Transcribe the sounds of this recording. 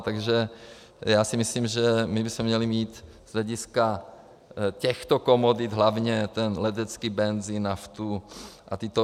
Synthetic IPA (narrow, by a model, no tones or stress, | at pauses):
t̪aɡʒɛ | jaːsɪmɪsliːmʒɛmɪbɪsmɛmɲɛlimiːt̪ | z̥ɦlɛɟɪska | cɛxt̪okomod̪ɪt̪ɦlavɲɛt̪ɛnlɛt̪ɛt͡skiːbɛnzinaft̪uʔat̪ɪt̪o